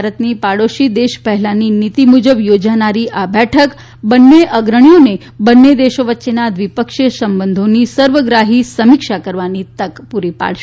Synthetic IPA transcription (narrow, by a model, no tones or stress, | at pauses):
aɾət̪nipaɽoʃid̪eʃpəɦɛlaninit̪imud͡ʒəbjod͡ʒanaɾiʔabɛʈʰək | bənːeʔəɡɾəɳ̃ijone | bənːed̪eʃoʋətːʃenad̪ʋipəkʃəsəmbənd̪ʱonisəɾʋəɡɾaɦisəmikʃakəɾʋanit̪əkpuɾipa̰ɭʃe